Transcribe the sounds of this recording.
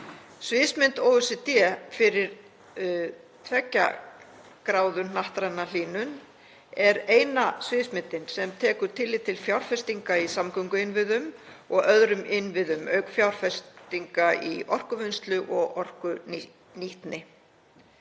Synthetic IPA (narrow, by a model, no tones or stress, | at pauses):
svɪðsmɪnt̪owʏsɪt̪ɛfɪɾɪɾ̥ | t̪ʰvɛcːa̰ | kɾaːwðʏnnaht̪ɾajnːal̥iːnʏn | ɛɾeːjnasvɪðsmɪnt̪ɪnsɛmt̪ʰɛːkʏɾ̥t̪ʰɪlːɪt̪ʰɪlfjawɾ̥fɛst̪iŋkaisamkœŋkʏɪnvɪðʏmɔɣœðɾʏmɪnːvɪðʏmœːɥkfjawɾ̥fɛst̪iŋkaḭɔr̥kʏvʏnst̪lʏʔɔɣɔr̥kʏ | niht̪nɪ